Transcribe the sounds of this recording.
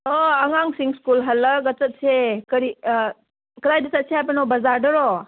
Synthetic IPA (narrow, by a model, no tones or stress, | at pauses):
oɐŋaŋsiŋskulɦɐlːɐɡɐt͡ʃɐt̚sekɐɾi | kɐlajdɐsɐt̚sihajp̬ɐnobɐzaɾdɐɾɔ